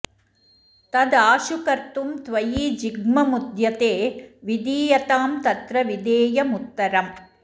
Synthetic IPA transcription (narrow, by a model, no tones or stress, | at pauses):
t̪ɐd̪aːʂʊkɐɾt̪umt̪ʋɐjiːd͡ʒɪɡmɐmud̪jɐt̪eːʋid̪iːjɐt̪aːmt̪ɐt̪ɾɐʋɪd̪eːjɐmʊt̪ːɐɾɐm